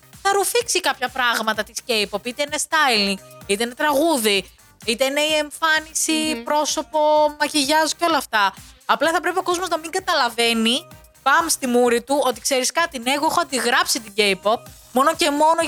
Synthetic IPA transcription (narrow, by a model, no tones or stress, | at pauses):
θɐɾufiksikɐpçɐpɾɐɣmɐt̪ɐt̪isce̞jpopit̪eine̞st̪ɐjliŋɡit̪eine̞t̪ɾɐɣuði | it̪eine̞ie̞ɱfɐnisipɾo̞so̞po̞mɐciʝɐzo̥ceo̞lɐft̪ɐɐplɐθɐpɾe̞pio̞ko̞zmoznɐmiŋɡɐt̪ɐlɐve̞ni | pɐmst̪imuɾit̪uo̞t̪ikse̞ɾiskɐt̪ineɣoexoɐnd̪iɣɾɐpsit̪iɟejpop̚ | mo̞no̞ce̞mo̞no